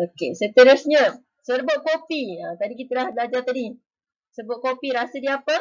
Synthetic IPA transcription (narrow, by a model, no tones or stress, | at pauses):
okesət̪əɾəsɲə | səɾboʔ̚kopiət̪adikit̪əlahblad͡ʒat̪adi | səbʊʔ̚kopiɾasədiapə